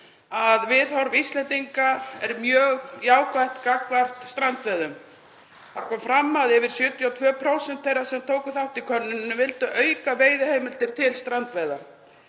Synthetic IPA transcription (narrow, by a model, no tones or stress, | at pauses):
aðvɪðhɔɾvist̪lɛnt̪iŋkaɛɾmjœːɣjaːwkvajht̪kakvar̥t̪st̪ɾant̪veðʏm | θḁkʰɔːmfɾamːaðɛvɪɾ̥sjʏːt̪jiawt̪ʰvœːpʰɾowsɛnt̪θejɾasɛmt̪ʰoːwkʏθawht̪ikʰœnːʏnnːʏvɪlt̪ʏʔœːɥkaveːjðʏheːjmɪl̥t̪ɪɾ̥t̪ʰɪlst̪ɾant̪vejða̰